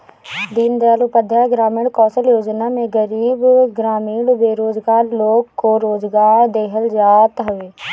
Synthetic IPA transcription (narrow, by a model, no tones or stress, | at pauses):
d̪iːnd̪eaːluːpəd̪ʱjaːɡɾaːmiːɽkɔ̃ːsəljoːd͡ʒnaːmẽːɡəɾiːbɡɾaːmiːɽbeːɾoːzɡaːɾloːkːoːɾoːzɡaːɾd̪eːɦəld͡ʒaːt̪ɦəʋeː